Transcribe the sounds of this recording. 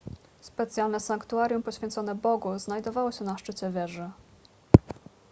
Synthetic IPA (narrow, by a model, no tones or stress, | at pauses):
spɛt̪sʲjalnɛsaŋkt̪uaɾjumpɔɕfʲɛnt̪sɔnɛbɔɡuznajd̪ɔvawɔɕɛnaʂt͡ʂɘt͡ɕɛvʲjɛʐɘ